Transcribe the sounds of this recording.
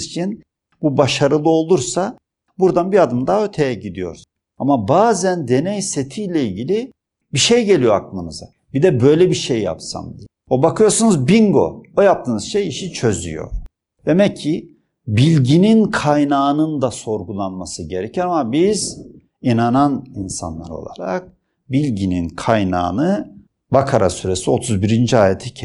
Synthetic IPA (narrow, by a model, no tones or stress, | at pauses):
zit͡ʃʰin | bubaʃaɾɯlˠɯo̞lˠuɾsa | buɾd̪anbiad̪ɯmd̪aø̞ɾt̪ʰe̞jɛɟid̪ijo̞̰ɾ | amabaːzænd̪e̞nɛjset̪ʰijlʲɛilʲɟilʲi | biʃejɟe̞lʲijo̞aklˠɯnɯza | bid̪ɛbø̞jlʲɛbiʃejːa̰psa̰md̪iɛobakʰɯjo̞ɾsunuzbiŋɡo̞̰ojap̚t̪ʰɯːnɯzʃejiʃit͡ʃʰø̞zy̰jo̰ | d̪̥e̞mɛcʰːi | bilʲɟininkʰajnaːnɯnd̪aso̞ɾɡulˠanmasɯɟe̞ɾɛcʰɛɾamabiz | inananinsa̰nlˠa̰ɾo̞̰lˠa̰ɾa̰k̚ | bilʲɟininkʰajna̰ːnɯ | bakʰaɾa̰syɾe̞sio̞t̪ʰuzbiɾind͡ʒiaːjet̪ʰɛcʰ